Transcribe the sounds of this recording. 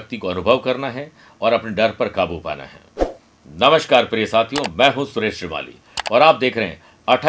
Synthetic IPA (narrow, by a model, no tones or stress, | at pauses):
k̚t̪ikoɐnʊbʱəʋkɐɾnaɦɛ | ɔːɾɐpneɖɐɾpɐɾkaːbupa̰ːna̰ɦɛ̰ː | nɐməʃkaːɾpɾiəsaːt̪ʰijõmɛ̃ːɦũsʊɾeːʃɾɪma̰ːlḭ | ɔːɾaːp̚d̪eːkʰɾɐɦɛ̰̃ | ɐʈʰ